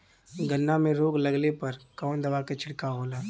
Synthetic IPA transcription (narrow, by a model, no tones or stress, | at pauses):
ɡənːamẽɾoːɡlɐɡlepɐɾkɔːnd̪ɐʋaːket͡ʃʰɪɽkaɦoːlaː